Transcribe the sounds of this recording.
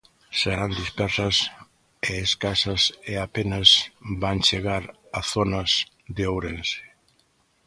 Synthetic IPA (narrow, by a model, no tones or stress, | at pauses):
seɾand̪ispɛɾsɐs | eeskasɐseapenɐsbant͡ʃeɣaɾ | aθonɐs | ðeowɾense̥